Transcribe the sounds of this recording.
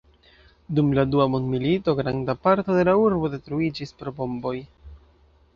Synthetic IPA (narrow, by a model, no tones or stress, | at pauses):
dumladuamo̞ndmilito̞ɡɾandapaɾto̞de̞lauɾbo̞de̞tɾuid͡ʒispɾo̞bo̞mbo̞j